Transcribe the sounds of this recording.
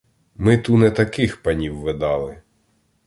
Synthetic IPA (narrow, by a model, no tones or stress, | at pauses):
mɪt̪unɛt̪ɐkɪxpɐnʲiwːed̪ɑlˠɪ